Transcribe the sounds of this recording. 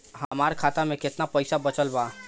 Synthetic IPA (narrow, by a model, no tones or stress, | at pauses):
ɦɐmaːɾkʰaːt̪amẽkɪt̪napɐɪsabɐt͡ʃəlbaː